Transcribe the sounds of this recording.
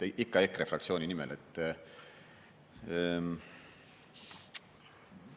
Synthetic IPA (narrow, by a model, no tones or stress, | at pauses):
ʔikːɑekːɾefrɑkt̪sio̞ːnʲinimelet̪ː